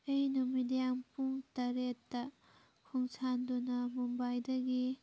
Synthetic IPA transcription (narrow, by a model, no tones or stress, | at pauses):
ejnumidijaŋpuŋtɐɾetːɐ | kʰuŋsʰandunɐmumbajdɐɡi